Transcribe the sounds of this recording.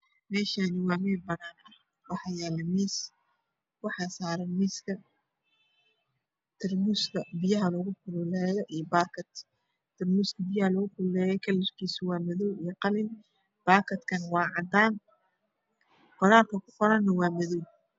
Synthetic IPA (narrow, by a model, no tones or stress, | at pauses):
mɛːʃaːnɪwɑːmɛːbɐnaːnɐ | wɑħɑjɛːlɐmiːs | wɑħɑːsaːɾɐmiːskʰɐ | t̪ʰɪrmʊstɐbɪjɐɦɐlɔɣʊkʰʊlʊlɛːjɔʔijɔbaːrkʰɐd̪ | t̪ʰɪrmuskʰɐbɪjɐhɐlɔɣʊkʰʊlʊlɛːjɛkʰɐlɪrkʰiːsʊwɑːmɐðuwijqɑlɪn | b̥aːrkʰɐd̪kʰɐnwɑːʕɑd̪aːn | qɔɾaːlkʰɐkʰʊ̥qɔɾɐnːɐwɑːmɐðuw